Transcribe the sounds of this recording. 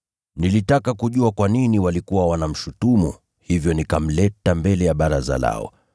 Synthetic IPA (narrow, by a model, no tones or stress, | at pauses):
nilitakakuʄuakwaniniwalikuwawanam̩ʃutumu | hivjɔnikam̩lɛtambɛlɛjaɓaɾaza̰la̰ɔ̰